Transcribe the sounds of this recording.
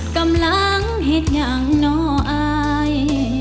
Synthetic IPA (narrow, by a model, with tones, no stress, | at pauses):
kə˧mla˧˥ŋ | ɦe˧˥t̪̚ɲa˧˩ŋnɔ˧˦ʔaː˧ | j